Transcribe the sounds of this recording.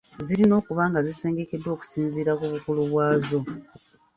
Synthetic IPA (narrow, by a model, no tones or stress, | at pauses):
ziɾino̞ːkuβaːŋɡazise̞ːŋɡe̞kedːwo̞ːku̥siːnziːɾakuβukuluβwaːzo̞